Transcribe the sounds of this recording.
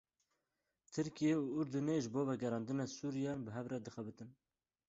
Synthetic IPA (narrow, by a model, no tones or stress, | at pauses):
t̪ʰɨɾkijeuːʊɾd̪uneʒɨboːvɛɡɛɾɑːnd̪ɨnɑsuːɾijɑːnbɨɦɛvrɛd̪ɨxɛbɨt̪ɨn